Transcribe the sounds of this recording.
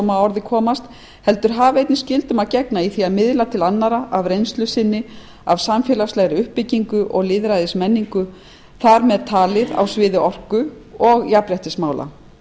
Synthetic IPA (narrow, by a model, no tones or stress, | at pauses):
maɔɾðɪkʰɔːmast̪ | hɛl̪t̪ʏɾ̥ɦaːvaejt̪nɪscɪlt̪ʏmaðcɛknaiθiaðmɪðlat̪ʰɪlanːaɾaʔavɾejnst̪lʏsɪnːɪ | avsamfjɛlaslɛɣɾɪʏhpːɪciŋkʏʔɔɣlɪːðɾajðɪsmɛnːiŋkʏ | θaɾmɛðt̪ʰaːlɪða̰wsvɪːðɪɔr̥kʏ | ɔɣjapɾɛht̪ɪsmaːwlʔa̰